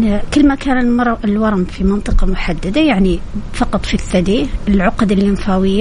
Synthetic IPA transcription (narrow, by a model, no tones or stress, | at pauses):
kəlːmækænəlmɾˤlwɑɾˤmfimɑnt̪ˤɨqɑmʊħad̪ːad̪ajaʕnifɑqɑt̪ˤfiθːæd̪iəlʕʊqd̪əljɪmfæwəjːa